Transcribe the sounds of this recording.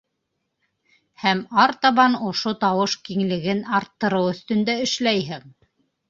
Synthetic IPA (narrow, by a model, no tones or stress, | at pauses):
hæmɑɾt̪ɑβɑnŏʃot̪ɑwɤʃkiŋlɘ̆ɡɘnɑɾt̪ːɤ̆ɾɤwɵ̆θt̪ɵ̆nd̪æɘ̆ʃlæjɦɘŋ